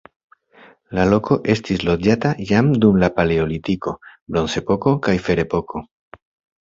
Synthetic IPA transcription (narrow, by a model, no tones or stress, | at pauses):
lalo̞ko̞ʔe̞stislo̞d͡ʒatajamdumlapale̞o̞litiko̞bɾo̞nse̞po̞ko̞kajfe̞ɾe̞po̞kʰo̞